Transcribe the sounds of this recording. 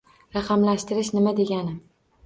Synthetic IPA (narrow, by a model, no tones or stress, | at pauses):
ɾɑqɑmlaʃt̪ɪɾɪʃnɪmad̪e̞ɡʲanɪm